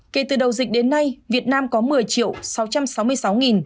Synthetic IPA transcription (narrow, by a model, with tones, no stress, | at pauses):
ke˧˩t̪ɨ˨˩ɗə˨˩wzï˨˩k̚ɗe˨˦nːa˧jvi˨˩ət̚naː˧mkɔ˨˦mɨ˨˩əjt͡ɕḭ˧˨əwsa˨˦wt͡ɕa˧msa˨˦wmɨ˧əjsa˨˦wŋi˨˩n